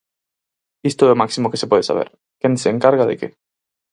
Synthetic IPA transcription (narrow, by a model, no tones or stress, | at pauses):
ist̪oɛomaksimokesepweðesa̰β̞ḛɾ | kenseːŋkaɾɣaðḛkḛ